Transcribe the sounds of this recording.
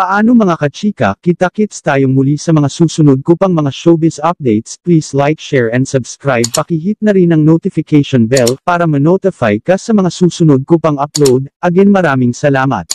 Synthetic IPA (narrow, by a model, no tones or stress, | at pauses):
pɐʔaːnoŋmɐŋakɐt͡ʃiːkɐ̰kit̪akɪt̪st̪aːjoŋmʊlisɐmɐŋasuːsʊnod̪̚kʊpɐŋmɐŋaʃobɪsʔɐp̚d̪ɛjt̪spliːslajk̚ʃɛɹɛnd̪sɐbskɾajb̚pɐkiɦit̪̚nɐɾinɐŋnot̪ɪfɪkɛjʃonbɛlpaːɾɐmɐnot̪ɪfajkɐsɐmɐŋasuːsʊnod̪̚kʊpɐŋɐplowd̪ʔɐɡɛnmɐɾaːmɪŋsɐlaːmɐ̰t̪̚